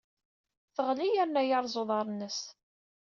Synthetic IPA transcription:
θəʁlijæɾnæjɑɾˤzoðˤɑɾˤnəs

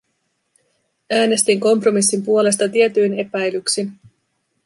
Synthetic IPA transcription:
æːne̞st̪iŋko̞mpro̞misːimpuo̞le̞st̪ɑt̪ie̞t̪yjne̞pæjlyksin

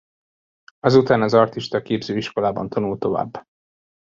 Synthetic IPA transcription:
ɒzut̪aːnɒzɒrt̪iʃt̪ɒkeːbzøːiʃko̞laːbɒ̰nt̪ʰɒnult̪o̞va̰ːbː

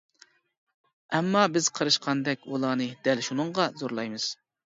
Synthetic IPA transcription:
ɛmːɑbɪz̥qʰəɾɨʃqʰɑnd̪ɛkʲulˠɑːnɨd̪̥ɛlʃunɨɴʁɑzoɾlˠɑjmɨz̥

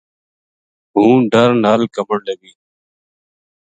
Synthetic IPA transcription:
ɦũːɖəɾnaːlkəməɽləɡiː

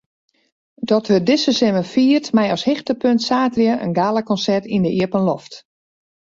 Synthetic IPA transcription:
dɔtʋədɪsəsɪməfiːərtmɛjɔshɪxtəpøntsaːtrjəʔə̰nɡaːlˠəkɔnsɛrtindəʔiəpənloft

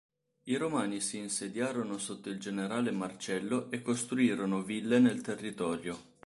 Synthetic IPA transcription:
iɾomaːnisiːnsed̪jaːɾonosot̪ːoild͡ʒeneɾaːlemart͡ʃɛlːoʔekːost̪ɾuiːɾonovilːenelt̪erːit̪ɔːɾjo

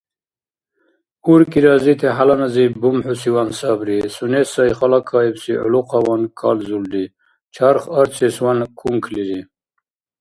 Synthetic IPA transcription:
uɾkiɾɑzit̪ʰeɦalanazibumħusiwansabɾisunesajχalakʰːɑːibsiʔṵluqʰɑwankʰɑ̰lzuld̪i | t͡ʃʰaɾχaɾt͡sʰeswankʰuŋkʰliɾi

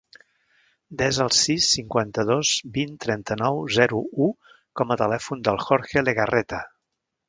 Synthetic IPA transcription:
d̪ɛzəlˠsisːiŋkwant̪əð̞ozbint̪ɾɛnt̪ənɔwzɛɾuu | kɔmət̪əlɛfund̪əlˠxɔɾxeleɣərɛt̪ə

